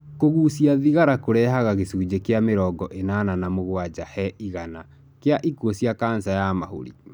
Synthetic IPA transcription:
koɣuːsiaðiɣaɾakoɾɛɦaɣaɣesuːd͡ʑekeameɾɔːɡɔʔenananamoɣwad͡ʒahɛʔiɣana | keaʔikwosjakaːnsajamaho̰ɾḭ

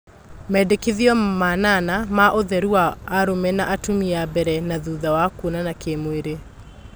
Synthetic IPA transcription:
mɛdekeðiɔmananamaʔoðɛɾuaːɾomɛnaʔatumiabɛɾɛnaðuðawakonanakemoeɾe

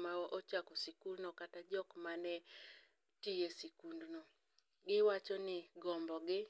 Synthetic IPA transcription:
mawɔʔot͡ʃakosikulnokatad͡ʒɔkmanɛ | tijesikundno | ɡɪwat͡ʃɔnɪɡɔmbɔɡɪ

